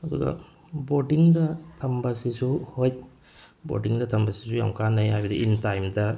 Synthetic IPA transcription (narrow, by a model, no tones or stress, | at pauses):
hɔdṵɡa̰ | bodiŋdɐt̪ʰɐmbasisuhojt | bo̰diŋdɐt̪ʰɐmbasisuja̰ŋkanajajbdiʔintajmda